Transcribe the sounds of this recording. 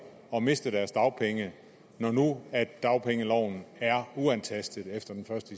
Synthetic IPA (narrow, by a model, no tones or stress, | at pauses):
ɒ̽me̝sd̥əd̥æɐsd̥ɑ̈ʊpʰeŋə | nɒnuædd̥ɑ̈ʊpʰeŋəlɒʊ̰n̩æɐuænt͡sʰæsd̥ð̩ˠefd̥ɐd̥enfɶɐsd̥ə